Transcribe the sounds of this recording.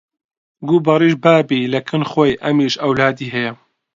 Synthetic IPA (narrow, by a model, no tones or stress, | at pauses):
ɡuːbɐɾiːʃbaːbiːlɐkʰɨnxojʔɐmiʃɐwlaːd̪iːɦɛjɛ